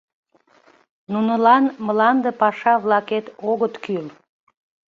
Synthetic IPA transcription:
nunəlɑnməlɑnd̪epɑʃɑβlɑket̪oɣət̪kyl

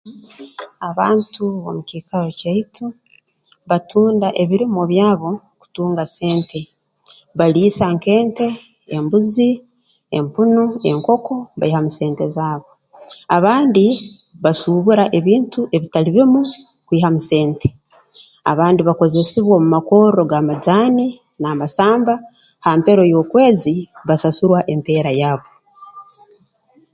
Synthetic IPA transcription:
aβaːntuβo̰muciːkaɾocaitʰu | βatʰuːndaʔe̞βiɾimoβjaːβo̞ | ku̥tuːŋɡase̞ːntʰe̞ | βaliːsaŋke̞ːnte̞ː | mbuzi | empunue̞ŋko̞ko̞βa̰ihamuse̞ːnte̞zaːβo̞ | aβaːndi | βasuːβuɾaʔe̞βiːntuʔe̞βitaliβimu | kwiːhamuse̞ːnte̞̥ | a̰βaːndiβako̞ze̞siβwomumakoːɾo̞ɡamad͡ʒaːni | namasaːmba | hampe̞ɾo̞jo̞ːkwe̞ːziβasasuɾwaʔe̞mpe̞ːɾajaːβo̞

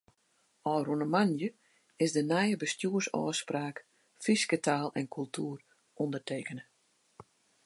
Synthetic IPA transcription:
ɔːrunəmanjə | ɪsdənɛjəbəstjuərsɔ̰ːspraːk | fiskətʰaːlˠɛnkʰylˠtʰuːər | ɔndərteːkənə

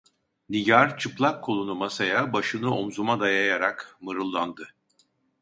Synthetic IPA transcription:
niɟaɾt͡ʃʰɯplˠakʰːo̞lˠunumasajabaʃɯnɯo̞mzumad̪ajajaɾakmɯɾɯlˠːand̪ɯ

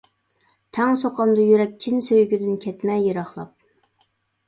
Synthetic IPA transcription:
t̪ʰɛŋsoqʰɑmd̪ɑjyɾɛk̚ʲt͡ʃʰinsøjɡʲyd̪ɪnkʲʰɛt̪mɛjeɾɑχlˠɑp̚

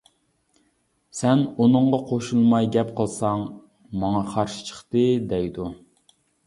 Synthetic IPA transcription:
sɛnunɨɴʁɑqʰoʃulˠmɑjɡʲɛpqʰəlˠsɑŋ | mɑŋɑqʰɑɾʃi̥t͡ʃʰə̥χt̪ɨd̪ɛjd̪u

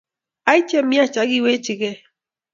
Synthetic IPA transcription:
ajt͡ʃemiat͡ʃaɡiwet͡ʃiɡe

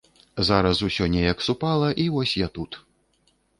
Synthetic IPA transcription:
zaɾɐsusʲɔnʲɛjɐksupalˠɐʔivɔsʲjat̪ut̪

